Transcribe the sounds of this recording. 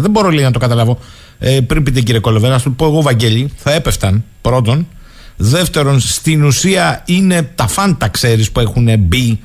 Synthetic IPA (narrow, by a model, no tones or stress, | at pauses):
ðe̞mbo̞ɾo̞lenɐt̪okɐt̪ɐlɐvo̞ | epɾimpit̪ec̬iɾiekolo̞venɐst̪ut̪upo̞eɣo̞vɐɲɟe̞ʎiθɐe̞peft̪ɐnpɾo̞t̪̬o̞n | ðe̞ft̪e̞ɾo̞nst̪inusiɐine̞t̪ɐfɐnt̪ɐkse̞ɾispue̞xune̞bi